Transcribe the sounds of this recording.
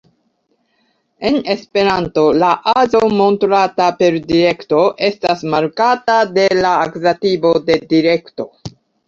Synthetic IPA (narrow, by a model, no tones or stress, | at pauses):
e̞ne̞spe̞ɾanto̞laʔazomo̞ntɾatape̞ɾdiɾe̞kto̞ʔe̞stasmaɾkatade̞laːkzatibo̞de̞diɾe̞kto̞